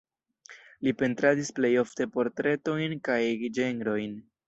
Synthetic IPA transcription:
lipe̞ntɾadisple̞jo̞fte̞po̞ɾtɾe̞to̞jnkajd͡ʒe̞ŋɡɾo̞jn

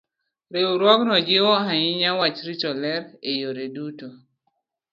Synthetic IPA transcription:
ɾeuɾwɔknɔd͡ʒewɔɦaɲɪɲawat͡ʃɾit͡ʃɔlɛɾejoɾeduto

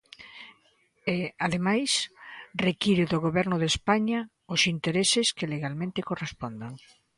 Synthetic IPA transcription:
eaðemajsrekiɾɪðʊɣoβɛɾnʊðespaɲɐ | ʊsint̪eɾesɪskɪleɣalmẽnt̪ɪkorespond̪aŋ

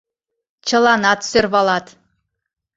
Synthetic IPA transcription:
t͡ɕə̆lɑnɑt̪sørβɑlɑt̪

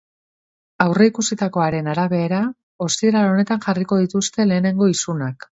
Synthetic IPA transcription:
awre̞ikusit̪ako̞aɾe̞naɾaβe̞ːɾa | o̞st̪ieɾalone̞t̪anʝariko̞ð̞it̪ust̪e̞le̞ːne̞ŋɡo̞isunak

